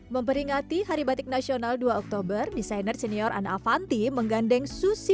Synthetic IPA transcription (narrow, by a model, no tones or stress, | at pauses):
məmpəɾiŋat̪iɦaɾibat̪ɪk̚nasionalduaɔk̚t̪obərdisajnərsɛniɔrʔa̰nafant̪iməŋɡandɛŋsusi